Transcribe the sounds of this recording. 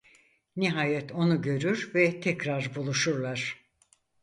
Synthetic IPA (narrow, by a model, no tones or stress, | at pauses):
niɦaːjɛt̪ʰo̞nuɟø̞ɾyɾvɛt̪ʰɛcɾaɾbulˠuʃuɾlˠaɾ̥